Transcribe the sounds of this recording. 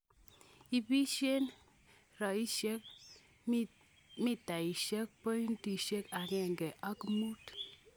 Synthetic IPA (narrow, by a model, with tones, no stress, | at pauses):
i˨pi˦ʃe˦n | ɾa˨i˦ʃe˦k̚ | mi˦˨ta˨i˨ʃe˦k̚pɔ˦n˦ti˨ʃe˦ka˨kɛ˦˨ŋɡɛ˨ʔa˦ki˦mu˦t